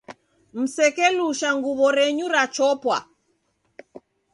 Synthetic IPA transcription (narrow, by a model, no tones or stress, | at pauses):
m̩sɛkɛluʃaŋɡuβɔɾɛɲuɾat͡ʃɔpwa̰